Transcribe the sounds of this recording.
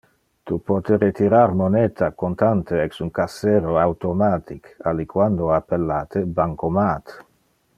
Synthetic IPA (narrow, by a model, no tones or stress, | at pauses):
t̪upɔt̪eret̪iɾaɾmonet̪ʰakont̪ant̪eɛksuŋkaseːɾoawt̪omaːt̪ikalːikwand̪oapːelːaːt̪ʰebaŋkomaːt̪